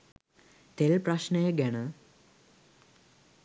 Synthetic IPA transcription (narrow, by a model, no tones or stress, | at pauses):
t̪elpraʃnəjəɡænə